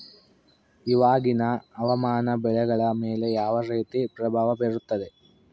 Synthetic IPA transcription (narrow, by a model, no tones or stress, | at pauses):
iʋaːɡinɐɐʋɐmaːnɐbɛɭɛɡɐɭɐmeːle̞jaːʋɐɾeːt̪ipɾɐbʱaːʋɐbeɾut̪ːɐd̪e̞